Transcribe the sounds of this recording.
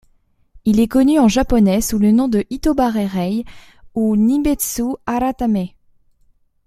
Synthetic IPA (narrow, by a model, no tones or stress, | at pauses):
ilɛkɔnyɑ̃ʒapɔnɛsulənɔ̃d̪əʔit̪obaʁɛʁɛj | unibɛt̪suaɾat̪amɛ